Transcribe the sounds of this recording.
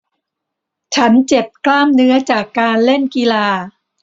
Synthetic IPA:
t͡ɕʰa˦˥nt͡ɕe˨˩p̚klaː˥˩mnɯ˦˥ɐt͡ɕaː˨˩kːaː˧nle˥˩nki˧laː˧

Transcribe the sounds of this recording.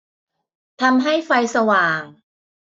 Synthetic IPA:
t̪ʰa˧mɦa˥˩jfa˧jsa˧waː˨˩ŋ

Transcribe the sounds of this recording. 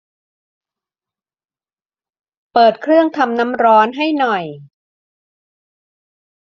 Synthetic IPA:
pɤː˨˩t̪̚kʰɾɯ˥˩əŋt̪ʰa˧mna˦˥mɾɔː˦˥nɦa˥˩jnɔ˨˩j

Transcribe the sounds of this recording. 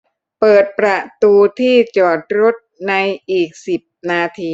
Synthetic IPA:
pɤː˨˩t̪̚pɾa˨˩t̪uː˧t̪ʰiː˥˩t͡ɕɔː˨˩t̪̚ɾo˦˥t̪̚na˧jʔiː˨˩k̚si˨˩p̚naː˧t̪ʰiː˧

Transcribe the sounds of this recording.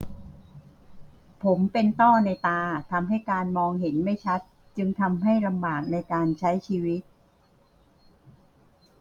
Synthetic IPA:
pʰo˩˦mpe˧nt̪ɔː˥˩na˧jt̪aː˧t̪ʰa˧mɦa˥˩jkaː˧nmɔː˧ŋɦe˩˦nma˥˩jt͡ɕʰa˦˥t̪̚ | t͡ɕɯ˧ŋt̪ʰa˧mɦa˥˩jla˧mbaː˨˩k̚na˧jkaː˧nt͡ɕʰa˦˥jt͡ɕʰiː˧wi˦˥t̪̚

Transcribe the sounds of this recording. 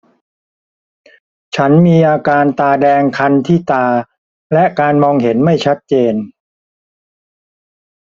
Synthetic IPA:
t͡ɕʰa˦˥nmiː˧ʔaː˧kaː˧nt̪aː˧dɛː˧ŋkʰa˧nt̪ʰiː˥˩t̪aː˧ | lɛ˦˥kaː˧nmɔː˧ŋɦe˩˦nma˥˩jt͡ɕʰa˦˥t̪̚t͡ɕeː˧n

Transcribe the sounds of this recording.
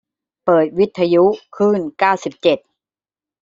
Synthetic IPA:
pɤː˨˩t̪̚wi˦˥t̪ʰːa˧ju˦˥kʰɯː˥˩nkaː˥˩wsi˨˩p̚t͡ɕe˨˩t̪̚

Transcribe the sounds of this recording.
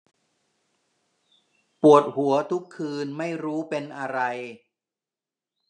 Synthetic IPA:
pu˨˩ət̪̚hu˩˦ɐt̪ʰu˦˥kʰːɯː˧nma˥˩jɾuː˦˥pe˧nʔa˧ɾa˧j

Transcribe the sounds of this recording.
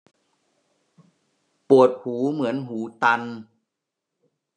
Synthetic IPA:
pu˨˩ət̪̚huː˩˦mɯ˩˦ənɦuː˩˦t̪a˧n

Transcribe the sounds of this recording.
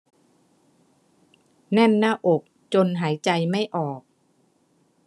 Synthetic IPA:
nɛ˥˩nːaː˥˩ʔo˨˩k̚ | t͡ɕo˧nɦaː˩˦jt͡ɕa˧jma˥˩jʔɔː˨˩k̚

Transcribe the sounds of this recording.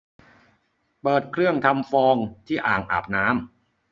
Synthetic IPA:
pɤː˨˩t̪̚kʰɾɯ˥˩əŋt̪ʰa˧mfɔː˧ŋt̪ʰiː˥˩ʔaː˨˩ŋʔa̰ː˨˩p̚naː˦˥m

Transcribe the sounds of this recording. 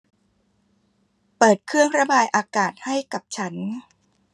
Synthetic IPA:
pɤː˨˩t̪̚kʰɯ˥˩əŋɾa˧baː˧jʔaː˧kaː˨˩t̪̚ha˥˩jka˨˩p̚t͡ɕʰa˦˥n

